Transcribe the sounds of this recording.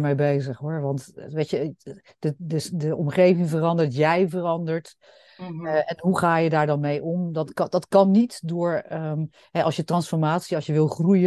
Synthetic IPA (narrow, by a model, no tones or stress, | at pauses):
mejbejzəχɦʊːɹʋɑntʋejcə | dədədəʔɔmχejvɪŋvərɑndəɹtjɛjvərɑndəɹt | ɛnɦuχaːjədaːɹdɑnmejʔɔmdɑdɑtkɑnːitdʊːɹə | ɦɛʔɑlˠsjətrɑnsfɔɹmaːtsiɑlˠsjəʋɪlˠχrujə